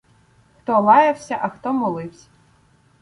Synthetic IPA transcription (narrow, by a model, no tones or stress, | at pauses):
xt̪ɔlˠɑjɐwsʲɐʔɐxt̪ɔmɔlˠɪwsʲɐ̥